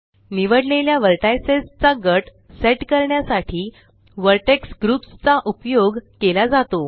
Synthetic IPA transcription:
niʋəɽleljaʋəɾʈajsest͡saɡəʈ | seʈkəɾɳjasaʈʰiː | ʋəɾʈeksɡɾupst͡saʔupjoɡkelad͡zat̪o

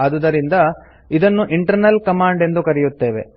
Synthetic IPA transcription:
ɐːd̪ud̪ɐɾind̪ɐ | id̪ɐnːuʔiɳʈɐɾnɐlkɐmaːɳɖe̞nd̪ukɐɾijut̪ːe̞ːʋe̞̰

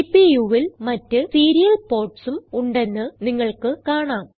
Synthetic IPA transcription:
pijuːʋilmɐtːɨsiːɾijɐlpo̞ːrʈsumuɳɖe̞nːɨniŋːɐɭkɨkaːɳaːm

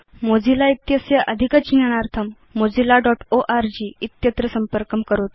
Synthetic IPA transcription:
mod͡zilait̪jəsjəʔəd̪ʱikət͡ɕinjəɽ̃aɾt̪ʰəmː | od͡zilaɖɔʈoʔaɾd͡ʑiːit̪jət̪ɾəsəmpəɾkəmkəɾot̪̚

